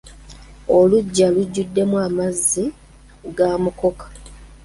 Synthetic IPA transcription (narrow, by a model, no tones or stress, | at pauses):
o̞luɟːaluɟːudːe̞mwaːmazːi | ɡaːmuko̞kḁ